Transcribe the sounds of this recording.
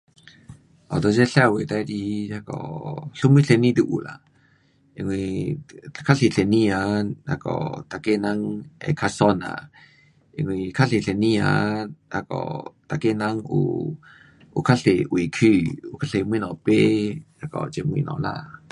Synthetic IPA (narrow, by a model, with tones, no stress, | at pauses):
ʔɔ˨t̪ot͡ʃe˦ɬɛ˨we˨t̪a˦ɾi˧a˦kɔɬu˦mi˦ɬe˨ni˦d̪u˧ʔula̰ | e˨ŋwi | kʰa˦ɬi˨˧ɬe˨ni˦ana̰˨kɔ̰t̪ake˦naŋḛkʰa˧sɔna̰ | e˧ŋwikʰaɬe˨ɬe˨niana˨kɔ̰t̪a˨ke˦naŋṵ | ukʰa˦ɬewi˨kʰi˦u˧kʰa˧ɬe˨m˧˦i˦˧nɔ˨pe | a˨kɔ̰t͡ʃe˧mu˧ḭ˧nɔ̰˨na